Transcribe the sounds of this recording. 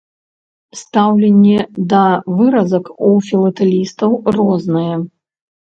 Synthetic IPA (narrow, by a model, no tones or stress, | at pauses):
st̪awlʲɛnʲːɛd̪ɐvɨɾɐzɐkufʲilˠɐt̪ɛlʲist̪ɐwrɔznɨjɛ